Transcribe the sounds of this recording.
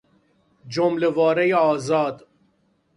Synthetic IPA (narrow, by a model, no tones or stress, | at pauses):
d͡ʒomlevɔːɾejɔːzɑːd̪